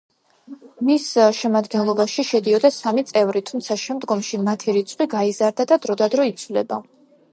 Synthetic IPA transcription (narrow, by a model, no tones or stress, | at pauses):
misʃɛmad̪ɡɛnlˠɔbaʃiʃɛd̪iɔd̪asamit̪sʼɛvɾit̪ʰumt̪sʰaʃɛmd̪ɡɔmʃimat̪ʰiɾit̪sʼqʼwiɡaizaɾd̪ad̪ad̪ɾɔd̪ad̪ɾɔit̪sʰvlɛ̰ba